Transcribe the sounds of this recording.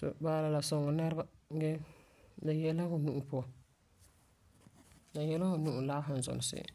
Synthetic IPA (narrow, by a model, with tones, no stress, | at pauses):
sɔ̰˨baː˦la˨la˨sɔ˨ŋɔ˨nɛ˦ɾba˦ɡɛ˦ | na˨jɛ˦lːa˦hʊ˨nu˦ʔu˨pʊ˦ɔ˨ | na˨jɛ˦la˦hʊ˨nu˦ʔu˨laː˦ɦʊ˨n˨zɔ̰˨nɪ˨sɪ̰˨